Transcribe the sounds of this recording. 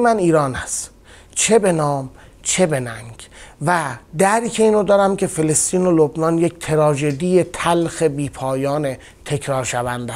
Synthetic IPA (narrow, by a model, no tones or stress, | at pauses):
mæniːɾɒːnæst̪ | t͡ʃʰe̞be̞nɒːm | t͡ʃʰe̞be̞næŋɡvæd̪æɾicʰe̞iːnod̪ɒːɾæmcʰe̞fe̞lest̪iːnolobnɒːnje̞ct̪ʰeɾɒːʒe̞d̪ije̞t̪ʰælxe̞biːpʰɒːjɒːne | t̪ʰe̞kʰɾɒːɾʃævænd̪æs